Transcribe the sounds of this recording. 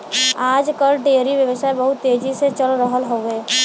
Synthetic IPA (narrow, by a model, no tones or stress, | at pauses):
aːd͡ʒkəlɖeːɾiʋjəʋəsaːebəɦʊt̪ːeːd͡ʒiset͡ʃəlɾəɦəlɦoːeː